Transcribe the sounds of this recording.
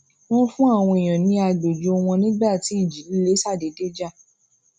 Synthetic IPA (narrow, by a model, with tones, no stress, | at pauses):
w̃ɔ̃˦fũ˦a˦˨w̃ɔ̃˧e˨j̃ã˨nĩ˧˦a˧ɡ͡bo˨d͡ʒo˨˦o˧w̃ɔ̃˧nĩ˦ɡ͡ba˦˨ti˨˦i˦˨d͡ʒi˨˦li˦le˦sa˦˨de˨˦de˦d͡ʒa˦˨